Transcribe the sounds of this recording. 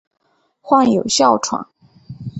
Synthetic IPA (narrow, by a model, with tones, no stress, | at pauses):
xwa˥˩ŋjo˨˩ʊɕjɑ˥˩ʊʈ͡ʂʰwa̰˨˩˦ŋ